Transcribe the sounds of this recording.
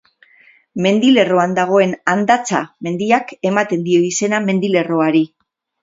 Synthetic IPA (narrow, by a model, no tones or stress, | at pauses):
me̞nd̪ile̞ro̞and̪aɣ̞o̞e̞nand̪at͡sa̰me̞nd̪iake̞mat̪e̞nd̪io̞ise̞name̞nd̪ile̞ro̞aɾi